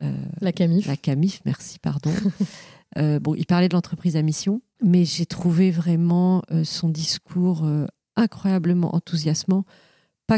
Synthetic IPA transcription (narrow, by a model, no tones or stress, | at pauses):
ø̰lakamiflʔakamifmɛʁsi̥pa̰ʁd̪ɔ̃ | øbɔ̃ʔḭlpaʁlɛd̪əlɑ̃t̪χəpχizamisjɔ̃ | mɛʒet̪χuvevʁɛmɑ̃øsɔ̃d̪iskʰuʁø | ɛ̃kχwajabləmɑ̰̃ʔɑ̰̃t̪uzjasmɑ̃ | pa